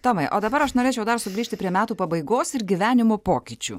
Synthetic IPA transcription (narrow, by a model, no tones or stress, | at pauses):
t̪oːmɐɪʔoːd̪ɐbɐɾɐʃnoːɾʲeːt͡ʃʲɛʊd̪ɐɾsʊɡɾʲiːʃʲt̪ʲɪpʲɾʲiɛmʲæːt̪uːpɐbɐɪɡoːsɪɾɡʲiʋʲæːnʲɪmoːpoːkʲit͡ʃʲṵː